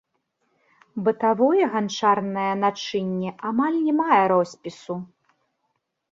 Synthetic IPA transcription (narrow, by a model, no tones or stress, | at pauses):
bɨt̪avɔjɛɣant͡ʂarnɐjɐnat͡ʂɨnʲːɛʔamalʲnʲɛmajɛɾɔsʲpʲisu